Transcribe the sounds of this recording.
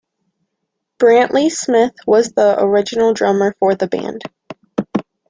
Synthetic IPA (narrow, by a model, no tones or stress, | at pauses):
b̥ɹæ̃nʔlʔismɪθwʌzðiʔə̰˞ɪd͡ʒɨn̩l̩ˠdɹʌmə˞fə˞ðɨbæ̰̃nd̥